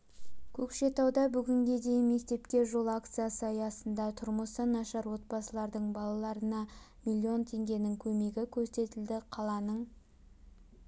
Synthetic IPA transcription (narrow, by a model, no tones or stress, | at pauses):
kʲʰɵkʃe̞t̪ɑwd̪ɑbʏɡʲɪŋɡʲe̞d̪e̞jɪnme̞kt̪e̞pkʲe̞ʒo̞lˠakt̪sɨjasəɑjɑsənd̪ɑt̪ʰʊɾməsənɑʃɑɾwo̞t̪̚pɑsəlˠɑɾd̪əɴbɑlˠɑlˠɑɾənɑ | milʲːio̞nt̪ʰe̞ŋɡʲe̞nɪŋkʲʰɵme̞ɡʲɪkʲʰɵɾse̞t̪ɪld̪ɪqʰɑlˠɑnəɴ